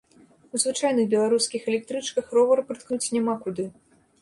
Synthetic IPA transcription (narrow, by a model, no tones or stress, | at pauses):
uzvɨt͡ʂajnɨɣbʲɛlˠaɾuskʲixɛlʲɛk̚t̪ɾɨt͡ʂkɐxrɔvɐɾpɾɨt̪knut͡sʲnʲɛmakud̪ɨ